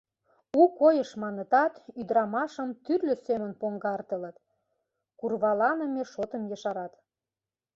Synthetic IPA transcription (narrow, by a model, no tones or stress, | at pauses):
ukojəʃmɑnət̪ɑt̪yd̪ɾɑmɑʃəmt̪yrløsemə̆npoŋɡɑrt̪ə̆lət̪ | kurβɑlɑnəmeʃot̪əmjəʃɑɾɑt̪